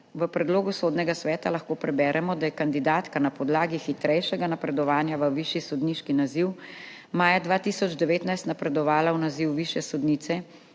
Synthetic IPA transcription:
ʋəpɾɛd̪loːɡusod̪nɛɡasʋɛːt̪alɐxkoːpɾɛbɛːɾʔɛmɔd̪ajɛkand̪id̪aːt̪kanapɔd̪laːɡixit̪ɾɛjʃɛɡanapɾɛd̪ɔʋaːnjaʋəʋiʃjisɔd̪niʃkinaziw | maːjad̪ʋaːt̪isɔd͡ʒd̪ɛʋeːt̪najst̪napɾɛd̪ɔʋaːlawnaziwʋiʃjɛsɔd̪niːt̪sɛ

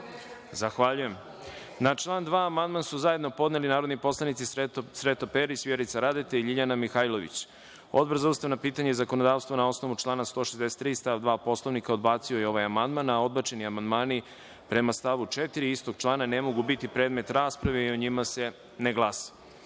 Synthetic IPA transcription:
zaxʋaʎuje̞m | nat͡ʃlˠaːnd̪ʋaːmand̪mansuzaje̞d̪no̞po̞d̪ne̞linaːɾo̞d̪nipo̞slˠanit̪sisɾet̪opeɾisʋjeɾit̪saɾad̪et̪eiʎiʎanamixajlˠo̞ʋḭt͡ɕ | o̞̰d̪̚brzaust̪aʋnopiːt̪aɲezako̞nod̪aːʋst̪vonao̞sno̞ʋut͡ʃlˠaːnast̪o̞ːʃezd̪e̞se̥t̪ːɾiːst̪aʋd̪ʋaːpo̞slˠo̞ʋnikaod̪baːt̪siojeo̞ʋajamand̪manao̞d̪̚bat͡ʃe̞niamand̪maːni | pɾe̞mast̪aʋut͡ʃet̪iɾiist̪o̞ɡ̥t͡ʃlˠaːnane̞mo̞ɡubit̪ipɾeːd̪me̞t̪ɾaːspɾaʋeioɲimase̞ | neɡlˠasḁ

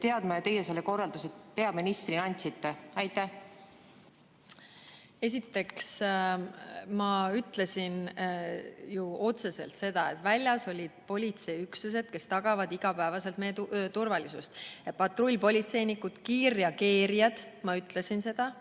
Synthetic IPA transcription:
t̪eɑd̪mɑjɑt̪e̞jeselːeko̞rːɑld̪uset̪pe̞ɑminist̪rinɑnʲt̪ʲsit̪ːeɑjt̪ːæ | e̞s̬ʲit̪ːe̞ks | mɑyt̪ːˑle̞sin | juo̞t̪se̞se̞̰lt̪se̞d̪̥ɑe̞t̪vælʲjɑso̞lʲid̪̥̚po̞lʲit̪se̞yksuse̞d̪̥̚ke̞st̪ɑɡ̥ɑvɑd̪iɡ̥ɑpæevɑse̞lt̪mejet̪t̪urvɑlisust̪epɑt̪ˑrolʲːpo̞lʲit̪se̞jnikud̪̥kiːrjɑke̞ːɾiɑd̪̥ | mɑyt̪ːˑle̞sinse̞d̪̥ɑ

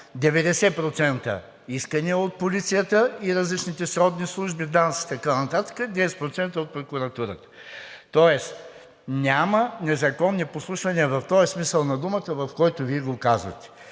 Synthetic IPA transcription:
d̪ɛvɛd̪ɛsɛpɾot̪sɛnt̪ə̰ | iskəniɛot̪̚polit̪sijət̪əiɾɐzlit͡ʃnit̪ɛsɾɔd̪nislˠuʒbid̪ansʲi̥t̪ɐkanɐt̪at̪ə̥kəd̪ɛsɛt̪̚pɾot̪sɛnt̪əot̪̚pɾokuɾɐt̪uɾət̪ə̥t̪ɔɛs | nʲamənɛzɐkɔnːiposlˠuʃvɐniəvɐft̪ɔjɐsmisəlˠnɐd̪umət̪əvɐfkɔjt̪oviɛɡokazvɐ̰t̪ɛ̥

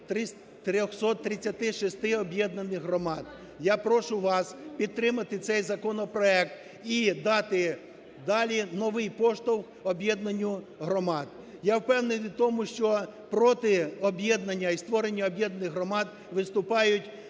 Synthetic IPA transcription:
t̪ɾɪ | t̪ɾʲɔxsɔt̪ːɾɪt͡sʲːɐt̪ɪʃist̪ɪɔbʲjɛd̪nɐnɪxɦrɔmɑd̪ | japɾɔʃʊʋɑspʲid̪̚t̪ːɾɪmɐt̪ɪt̪sɛjzɐkɔnɔpɾɔɛk̚t̪ | id̪ɑt̪ɪ | d̪ɑlʲinɔʋɪjpɔʃt̪ɔwk | ɔbʲjɛd̪nɐnʲːʊ | ɦɾɔmɑd̪̚ | jawpɛwnenɪt̪ɔmʊʃt͡ʃɔpɾɔt̪ɪɔbʲjɛd̪nɐnʲːɐist̪ʋɔɾenʲːɐɔbʲjɛd̪nɐnɪxɦrɔmɑd̪ | ʋɪst̪ʊpɑjʊtʲ

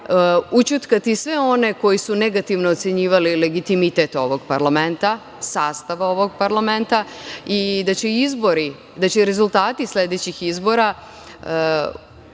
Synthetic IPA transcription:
ut͡ɕut̪kat̪isʋe̞o̞ne̞ko̞jisune̞ɡat̪iʋnoːt̪seɲiːʋalile̞ɡit̪imit̪e̞t̪o̞ʋo̞ɡ̚paɾlame̞nt̪a | saːst̪aʋao̞ʋo̞ɡ̚paɾlame̞nt̪aid̪at͡ɕeizbo̞ɾi | d̪at͡ɕeɾe̞zulˠt̪aːt̪islʲe̞d̪e̞t͡ɕixizbo̞ɾa

